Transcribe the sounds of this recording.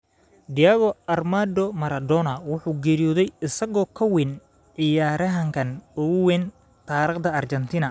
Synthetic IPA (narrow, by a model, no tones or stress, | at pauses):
d̪ɪjɐɣɔɐrmaːd̪ɔmɐɾɐd̪ɔnɐwʊħuːɡɛːɾijɔːðɛjɪsɐɣɔːkʰɐwɪn | ʕɪjaːɾɐɦɐŋkʰɐnʊwɛːn | t̪ʰaːɾɪqd̪ɐɐrt͡ʃɛnt̪ʰiːnɐ